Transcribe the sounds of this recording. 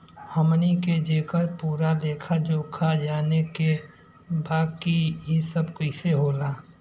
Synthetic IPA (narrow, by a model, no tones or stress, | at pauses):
həmniked͡ʒeːkəɾpuːɾaleːkʰad͡ʒoːkʰad͡ʒaːneke | baːkijisəbkoɪseɦoːlaː